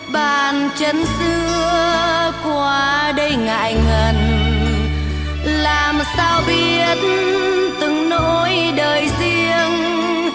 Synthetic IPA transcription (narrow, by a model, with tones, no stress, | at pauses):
ɓaː˧˨˩nt͡ɕə˨˦nsɨ˧˥əəkwaː˧ɗə˧jŋa̰ː˧˨jŋə˨˩n | laː˨˩msaː˧wɓi˧ət̚nt̪ɨ˨˩ŋno˧˥jɗəː˨˩jzi˧əŋ